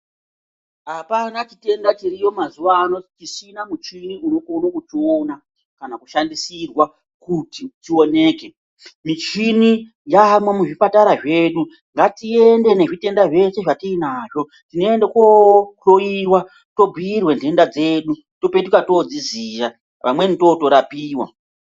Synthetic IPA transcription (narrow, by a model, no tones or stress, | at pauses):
ɦapanat͡ʃite̞ndatiɾijo̞mazuʋaːno̞tisinamut͡ʃiniunokounokutiona | kanakuʃandisirwa | kutitio̞ne̞ːke̞ | mit͡ʃini | jamwamuʐipataɾaʐe̞ːɗu | ŋɡatiende̞ne̞ʐite̞ndaʐe̞se̞ʐatiinaʐo̞ | tino̞endekooiwa | to̞bʱiːrwendʱe̞ndad͡ze̞ːɗu | to̞petukato̞d͡zizija | ʋa̰mwenito̞to̞ɾapiːwa̰